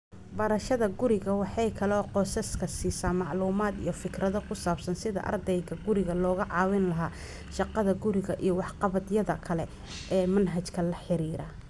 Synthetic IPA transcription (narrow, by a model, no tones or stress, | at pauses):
bɐɾɐʃɐðɐɡʊɾɪɣɐwɑħɑjkʰɐlɔːqɔːsɐskʰɐsiːsaːnmɑʕluːmaːd̪ḭjɞfɪkrɐðɔkʰʊsaːbsɐnsɪðɐ̰ʔɐ̰rd̪ɛjɣɐɡʊɾɪɣɐlɔːɣɐʕɑːwɪnlɐɦaː | ʃɑqɑðɐɡʊɾɪɣɐʔijɞwɑħqɑβɐd̪jɐðɐkʰɐlɛ | ʔɛːmɐnɦɐt͡ʃkʰɐlɐħɪɾiːɾɐ